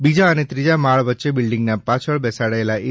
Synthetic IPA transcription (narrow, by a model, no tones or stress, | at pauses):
bid͡ʒaənet̪ɾid͡ʒamaɭʋətːʃebɪlɖiŋɡnapat͡ʃʰəɭbɛsaɽaelai